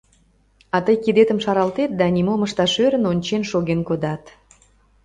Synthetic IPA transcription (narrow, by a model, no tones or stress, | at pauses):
ɑt̪əjkid̪et̪əmʃɑɾɑlt̪et̪̚d̪ɑnʲimoməʃt̪ɑʃøɾə̆nonʲt͡ɕenʃoɣenkod̪ɑt̪